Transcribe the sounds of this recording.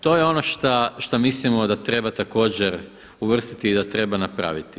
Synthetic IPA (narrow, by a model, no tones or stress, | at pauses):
t̪o̞ːjeo̞no̞ʃt̪aʃt̪amislimo̞d̪at̪ɾe̞bat̪ako̞ːd͡ʑeɾ | uʋr̩st̪it̪iːd̪at̪ɾe̞banapɾa̰ʋit̪i